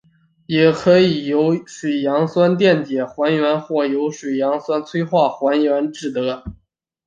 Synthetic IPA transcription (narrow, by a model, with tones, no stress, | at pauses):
jɛ˨˩kʰɤ˧˥i˨˩jo˧˥ʊʂwe˨˩ɪjɑ˧˥ŋswa˥nt̪jɛ˥˩nt͡ɕjɛ˨˩xwa˧˥nɥɛ˧˥nxwɔ˥˩jo˧˥ʊʂwe˨˩ɪjɑ˧˥ŋswa˥nt͡sʰwe˥ɪxwa˥˩xwa˧˥njɥɛ˧˥nʈ͡ʂɻ̩˥˩t̪ɤ˧˥